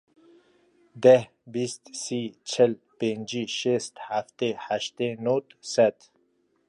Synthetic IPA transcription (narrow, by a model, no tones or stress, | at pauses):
d̪eh | bist̪sit͡ʃʰel | pend͡ʑiʃest̪haft̪ehaʃt̪enot̪sat̪